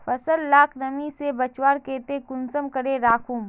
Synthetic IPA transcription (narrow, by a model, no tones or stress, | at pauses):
fʰɐsəlːaːkʰnɐmisebɐt͡ʃwaːɾkeːt̪ekʊnsəmkɐɽeɾaːkʰũm